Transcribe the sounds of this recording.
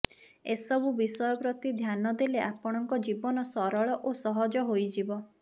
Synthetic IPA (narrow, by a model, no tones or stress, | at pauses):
esɔbubisɔjɔpɾɔt̪id̪ʱjanɔd̪eleʔapɔɽ̃ɔŋkɔd͡ʒibɔnɔsɔɾɔɭɔʔosɔɦɔd͡ʒɔɦojd͡ʒibɔ